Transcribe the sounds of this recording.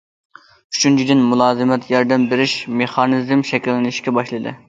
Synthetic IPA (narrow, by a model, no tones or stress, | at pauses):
y̥t͡ʃʰynt͡ʃʰid̪ɪnmulˠɑːzɨmɛt̪ʰjɑɾd̪ɛmbeɾɪʃmeχɑnɨzmʃɛkʲilːɪnɪʃkʲɛbɑʃlˠɨd̪ɨ̰